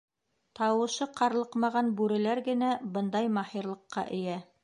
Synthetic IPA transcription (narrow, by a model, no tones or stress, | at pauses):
t̪ɑwɤ̆ʃɤqɑɾlˠɤqmɑʁɑnbʉɾɘ̆læɾɡɘ̆næbɤnd̪ɑjmɑhiɾlˠɤ̆qːɑ̰ʔɘ̆jæ